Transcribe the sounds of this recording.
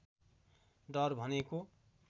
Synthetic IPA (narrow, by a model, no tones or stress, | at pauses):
ɖʌɾbʱʌneko